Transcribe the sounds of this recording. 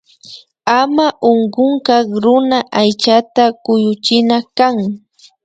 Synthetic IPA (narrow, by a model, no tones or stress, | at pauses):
amaʔoŋɢʊŋkɑkɾʊnaʔajt͡ʃat̪akʊjʊt͡ʃɪnakaŋ